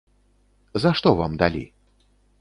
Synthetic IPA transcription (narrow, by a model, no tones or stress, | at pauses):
zaʂt̪ɔvamd̪alʲḭ